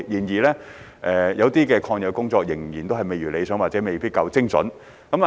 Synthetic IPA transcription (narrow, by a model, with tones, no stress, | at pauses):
jiː˨˩njiː˨˩lɛː˥ | ʔɛː˨jɐ˨˧wt̪iː˥kɛː˧kʰɔː˧ŋjɐ˨˧wkʊ˥ŋt͡sɔː˧k̚jɪ˨˩ŋjiː˨˩nt̪o˥ɦɐ˨jme˨jɥyː˨˩le˨˧jsœː˨˥ŋwaː˨t̚t͡sɛː˨˥me˨jpiː˥kɐ˧wt͡sɪ˥ŋsɔ̰˨˥n | kɐ˨˥ma˨